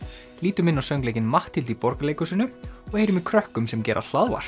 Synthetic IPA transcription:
liːt̪ʏmɪnːawsœɥŋklejcɪnmaht̪ilt̪ipɔɾkaleːjkʏsɪnːʏɔɣhejɾʏmikʰɾœhkʏmsɛmcɛːɾʔa̰l̥aðva̰ɾ̥

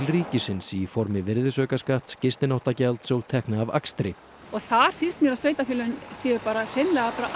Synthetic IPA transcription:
ɪlriːcɪsɪnsifɔɾmɪvɪɾðɪsœːɥkaskaht̪scɪst̪ɪnawht̪acɛlt̪sowt̪ʰɛhknaːva̰kst̪ɾɪ | ɔɣθaɾ̥fɪnst̪mjɛɾasveːjt̪afɪːlʏnsiːʏɾpaːɾar̥enlɛɣapaɾa

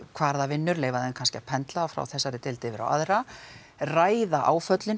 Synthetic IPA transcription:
kʰvaːɾðavɪnːʏɾleːjvaðɛnkʰanscɪapʰɛnt̪laafɾa̰wθɛsːaɾɪt̪ɪlt̪ɪvɪɾa̰wʔa̰ðɾa | raːjðaʔaːwfœt̪lɪn

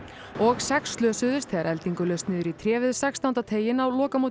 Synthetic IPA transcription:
ɔɣsɛkst̪lœːsʏðʏst̪ʰeːɾʔɛlt̪iŋkʏlœːst̪nɪːðʏɾit̪ʰɾjɛːvɪðsɛkst̪ahwnt̪at̪ʰeːjɪnawlɔːkamoːt̪

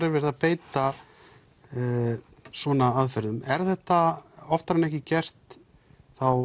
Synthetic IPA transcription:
ɾɪɾvɛɾɪðapeːjt̪a | sɔːnaaðfɛɾðʏmɛɾ̥θɛht̪aɔft̪aɾanɛhcɪcɛr̥t̪ | θaw

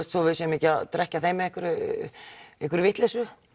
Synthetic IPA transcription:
st̪sɔvɪðsɛmɛcɪat̪ɾɛhcaθejmɛehkʏɾʏ | ejhkʏɾvɪht̪lɛsʏ

